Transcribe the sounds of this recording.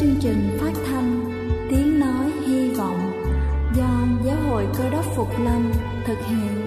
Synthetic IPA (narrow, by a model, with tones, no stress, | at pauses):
ɨ˧əŋt͡ɕï˨˩ŋ̟faː˦˥t̚t̪ʰa˧jŋ | t̪i˨˦əŋnɔ˨˦jhi˧vɔ̰˧˨wŋ͡m | zɔ˧zaː˨˦wɦo̰˧˨jkəː˧ɗə˦˥p̚fʊ˨˩k͡p̚lə˧ŋ | t̪ʰɨ˨˩k̚hḭ˧˨ən